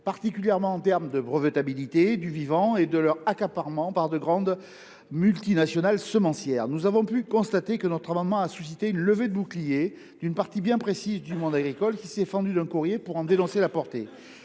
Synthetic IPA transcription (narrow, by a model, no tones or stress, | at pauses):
paʁt̪ikʲyljɛʁmɑ̃ɑ̃t̪ɛʁmd̪əbʁəvət̪abilit̪ed̪yvivɑ̃ed̪əlœʁakapaʁmɑ̃paʁd̪əɡʁɑ̃d̪ | mylt̪inasjɔnalsəmɑ̃sjɛːʁnuzavɔ̃pykɔ̃st̪at̪ekənɔt̪χamɑ̃nmɑ̃asysit̪eynləved̪əbuklije | d̪̥ynpaʁt̪ibjɛ̃pχesizd̪ymɔ̃d̪aɡʁikɔlkʲisɛfɑ̃d̪yd̪ɛ̃kuʁjepuʁɑ̃d̪enɔ̃selapɔʁt̪e